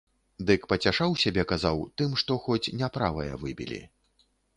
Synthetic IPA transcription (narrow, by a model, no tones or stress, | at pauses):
d̪ɨkpɐt͡sʲaʂawsʲabʲɛkazawt̪ɨmʂt̪ɔxɔt͡sʲnʲɛpɾavɐ̰jɐ̰vɨbʲḭlʲḭ